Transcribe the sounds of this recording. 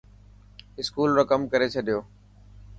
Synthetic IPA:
ɪskuːlɾəkəmkəɾet͡ʃʰəɗijoː

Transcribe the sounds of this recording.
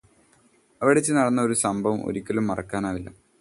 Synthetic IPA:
ɐʋiɽet͡ɕːɨnɐɽɐnːɐo̞ɾusɐmbʱɐʋɐmʔo̰ɾikʲːɐlumːɐrɐ̰kːaːnaːʋilːɐ̰

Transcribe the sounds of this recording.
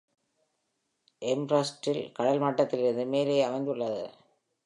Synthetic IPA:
ʔɛmbɾɐsʈɪlkɐɽɐlmaʈːɐt̪ːɪlɪɾɯnd̪ɯmeːlɐɪɐmɐɪnd̪ɯɭːɐðɯ̰

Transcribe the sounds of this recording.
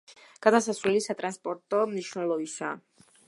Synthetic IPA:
kat̪as̬aswɛlisat̪ɾanspɔɾt̪ɔmniʃnɔlɔisa̰

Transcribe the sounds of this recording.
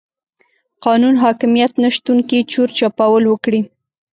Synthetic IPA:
qɑnunɦɑkɪmijat̪naʃt̪uŋkit͡ʃoɾt͡ʃɑpawəlwəkɽi

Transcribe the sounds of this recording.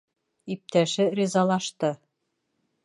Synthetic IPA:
ip̚t̪æʃɘɾʲizɑlˠɑʃt̪ɤ

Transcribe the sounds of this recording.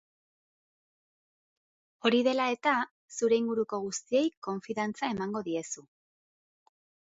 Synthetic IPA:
o̞ɾiðe̞lae̞t̪a | suɾe̞iŋɡuɾuko̞ɣ̞ust̪ie̞jko̞ɱfiðant͡sae̞maŋɡo̞ðie̞su

